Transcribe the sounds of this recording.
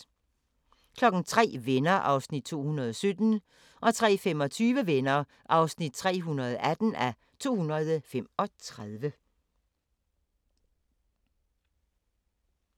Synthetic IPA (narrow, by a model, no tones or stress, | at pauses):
kʰlɒ̽ɡ̥n̩t͡sʰʁɛ̰ːʋenɐʔɑ̈ʊsnid̥̚t͡sʰo̝̰ːhunɐðˠɒ̽sød̥n̩ | ʔɒ̽t͡sʰʁɛ̰ːfemɒ̽t͡sʰyːʋəʋenɐ | ʔɑ̈ʊsnid̥̚t͡sʰʁɛ̰ːɦunɐð̞̩ˠæd̥n̩æ | t͡sʰo̝̰ːhunɐðˠfemɒ̽t͡sʰʁaðˠʋə